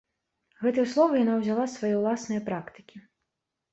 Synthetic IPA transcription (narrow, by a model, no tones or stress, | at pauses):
ɣɛt̪ɨjɐslˠɔvɐjanawzʲalˠasvajɛwlˠasnɨjɐpɾakt̪ɨ̥kʲi